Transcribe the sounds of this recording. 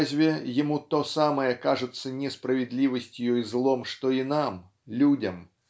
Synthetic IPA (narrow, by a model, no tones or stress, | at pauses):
zʲvʲɛjamut̪ɔsamɐjɛkaʐut̪sːɐnʲɛspɾɐvʲɛd̪lʲivɐsʲt͡sʲjɔjzlˠɔmʂt̪ɔinam | lʲud͡zʲɐm